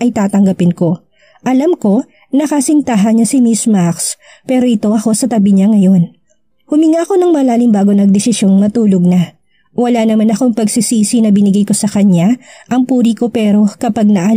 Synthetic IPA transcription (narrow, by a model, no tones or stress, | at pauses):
ʔɐjt̪aːt̪ɐŋɡɐpɪnko̞ | ʔɐlamko̞ | nɐkɐsɪnt̪aɦɐɲɐsɪmismaks | pɛːɾo̞ʔɪt̪o̞ʔɐko̞sɐt̪ɐbiɲaŋɐjo̞n | hʊmɪŋako̞nɐŋmɐlaːlɪŋbaːɡo̞nɐɡ̚d̪ɛsɪsjo̞nnɐt̪uːlo̞ɡ̚nɐ | wɐlanɐmanɐko̞ŋpɐɡsɪsiːsinɐbɪnɪɡajko̞sɐkɐɲaʔɐŋpuːɾiko̞pɛːɾo̞kɐpaɡ̚nɐʔa